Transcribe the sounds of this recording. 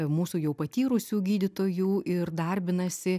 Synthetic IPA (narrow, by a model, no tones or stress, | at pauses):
muːsuːjɛʊpɐt̪ʲiːɾʊsʲuːɡʲiːd̪ʲɪt̪oːjuːʔɪrd̪ɐɾʲbʲɪnɐsʲɪ